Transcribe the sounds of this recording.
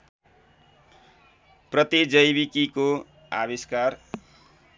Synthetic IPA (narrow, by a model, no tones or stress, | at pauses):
prʌt̪id͡zʌjbikiko | a̰biskar